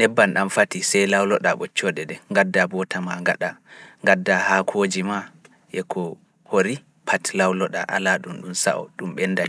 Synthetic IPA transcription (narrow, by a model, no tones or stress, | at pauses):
nɛbːanɗamfatisɛjlawlɔɗaɓɔt͡ʃːɔɗɛdɛŋɡadːabɔtʰamaŋɡaɗaŋɡadːahakʰod͡ʒima | ʔɛkʰɔ | hoɾi | pʰatlawlɔɗa̰ʔa̰laɗumɗumsa̰ʔɔ̰ɗumɓɛndani